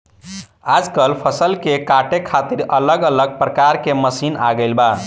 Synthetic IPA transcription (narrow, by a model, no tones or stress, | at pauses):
ad͡ʒkəlpʰəsəlkekaʈekʰat̪iɾələɡələɡ̚pɾəkaɾkeməsina̰ɡəɪlba